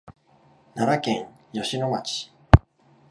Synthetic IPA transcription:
naɾakẽŋ | jo̞ɕino̞mat͡ɕi̥

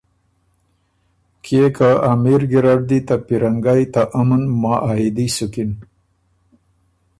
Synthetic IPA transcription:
kʰekaamiɾɡiɾaɖd̪it̪apiɾaŋɡajt̪aʔamənmɑʔaɦid̪isukin

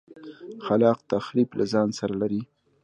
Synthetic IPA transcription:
xalɑq̚t̪axɾiblʔazɑnsaɾalaɾi

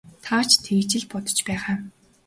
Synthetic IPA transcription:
t̪ʰat͡ɕʰt̪ʰeːt͡ɕɪ̆ɮpɔt̪ɞ̥̆t͡ɕpæːʁaː

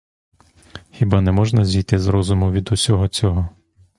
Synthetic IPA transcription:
xʲibanɛmɔʒnɐzʲijt̪ɪzɾɔzʊmʊʋʲid̪ʊsʲɔɦɔt͡sʲɔɦɔ

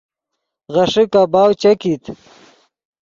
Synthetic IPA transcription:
ɣɐʂikabaːwt͡ɕɐkit̪

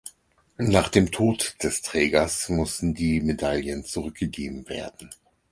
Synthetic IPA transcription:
naːχd̥eːmtʰoːtd̥ɛstʁ̥ɛːɡɐsmʊstn̩diːmedaljənt͡suʁʏk̚ɡ̥əɡeːbm̩vḛːɐdn̩

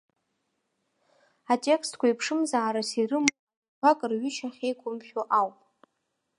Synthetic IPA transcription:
atʼe̞kstʰkʷʰaipʰʂɨmzaːɾasirɨm | bakʼɨrɥʏt͡ʃʰaχʲejkʷʼʊmʃʲᶣoʔawpʼ

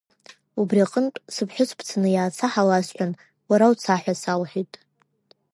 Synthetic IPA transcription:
ubriaqʼəntʷʼsɨpʰħʷᶣʊt͡sʷʰpʰt͡sʰanɨjaːt͡sʰaħalasħʷᶣan | waɾawt͡sʰaħʷᶣasalħitʼ

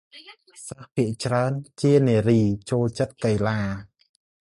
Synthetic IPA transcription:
səhpʰiəʔt͡ɕraənt͡ɕiəneːəriːt͡ɕoːlt͡ɕət̪̚kəjlaː

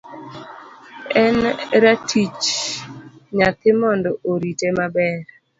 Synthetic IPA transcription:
ɛnɾatʰit͡ʃ | ɲat̪ɪmɔndɔʔoɾitemabɛɾ

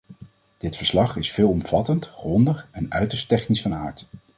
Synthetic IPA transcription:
d̥ɪtfəɹslɑχɪsfɪːlˠɔmv̥ɑtəntχrɔndəχɛnœ̰ɥtəɹstɛχnisfɑnaːɹt

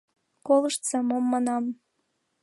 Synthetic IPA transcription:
koləʃt̪sɑmomːɑnɑm

